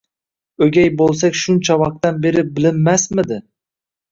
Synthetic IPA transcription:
ɵɡʲajbolˠsakʲʃʊnt͡ʃʰavɑq̚t̪anbe̞ɾɪbɪlɪmːasmɪd̪ɪ

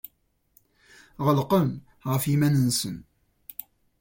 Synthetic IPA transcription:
ʁəlqəm | ʁəfimænənsən

